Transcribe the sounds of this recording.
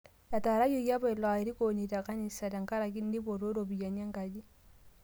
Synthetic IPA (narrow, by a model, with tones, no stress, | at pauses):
ja˨ta˨ɾa˦jɔ˦ja˦ba˦i˨lɔ˨a˨i˨ɾi˦ko˨ni˨ta˨ka˦ni˨sa˨ta˨ŋka˦ɾa˨k̬i˦n˦di˦bo˨ɾo˦ɾo˨bi˨ja˨ɲa˦ŋka˨d͡ʒi˦